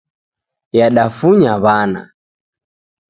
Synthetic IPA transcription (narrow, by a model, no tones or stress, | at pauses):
jaɗafuɲaβana̰